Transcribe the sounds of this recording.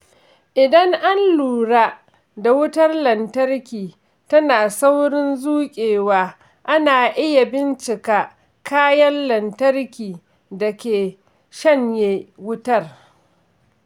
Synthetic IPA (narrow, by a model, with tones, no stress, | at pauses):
ʔɪ˨dɐ˦ŋʔa˦nluː˨ɽaː˦ | da˨wʊ˦tɐ˦rlɐ˨ntɐ˦rkʲiː˨ | tɐ˦naː˨sa˦wɽɪ˦nzuː˦kʲʼeː˨waː˦ | ʔa˦naː˨ʔɪ˦ja˨bɪ˦nt͡ʃɪ˨kaː˨ | kʰaː˦jɐ˦nlɐ˨ntɐ˦rkʲiː˨ | dɐ˨kʲeː˨ | ʃɐ˦ɲjeː˦wʊ˦tɐ˦˨r